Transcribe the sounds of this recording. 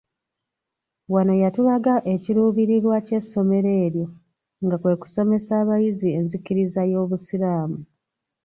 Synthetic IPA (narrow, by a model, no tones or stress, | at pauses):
wano̞jatulaɡaʔe̞ciɾuːβiɾiɾwace̞sːo̞me̞ɾe̞ːɾjo̞ | ŋɡakwe̞ku̥so̞me̞saːβajizie̞nzikiɾizajo̞ːβusiɾaːmu